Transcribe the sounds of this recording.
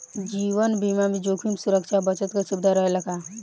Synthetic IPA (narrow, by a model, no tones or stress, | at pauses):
d͡ʒiːʋənbimamid͡ʒokʰimsuɾəkʃabət͡ʃət̪kasubd̪ʱaɾəɦeləɡa